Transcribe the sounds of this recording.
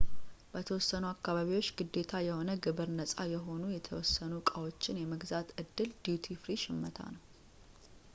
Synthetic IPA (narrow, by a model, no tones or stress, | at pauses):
bət̪ʰəwɔsːənuakːaβaβiwot͡ʃːɡɨd̪ːe̞t̪ʰajɛho̞nəɡɨβɨɾnəsʼajɛɦo̞nujɛt̪ʰəwɔsːənukʼawo̞t͡ʃːɪnjɛməɡzat̪ɨd̪ːɨld̪̥ut̪ʰifɾiʃɪmːət̪ʰa̰nəw